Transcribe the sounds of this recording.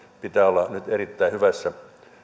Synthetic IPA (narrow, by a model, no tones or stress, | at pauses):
pit̪æːolːɑnyt̪erit̪ːæihyʋæsːæ